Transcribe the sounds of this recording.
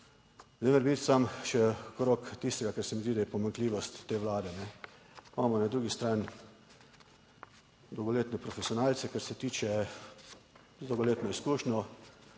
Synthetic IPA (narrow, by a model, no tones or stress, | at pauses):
zɛmɛɾbiːt̪samʃɛkɾokt̪ist̪ɛɡakɛɾsɛmizd̪id̪ajɛpɔmaŋkliːʋɔst̪ːeːʋlaːd̪ɛnɛ | maːmɔnad̪ɾuːɡist̪ɾaːn | d̪ɔwɡɔleːt̪nɛpɾɔfɛsiɔnaːlt̪sɛkaɾsɛt̪iːt͡ʃɛ | d̪owɡɔleːt̪nɔiskuːʃnɔ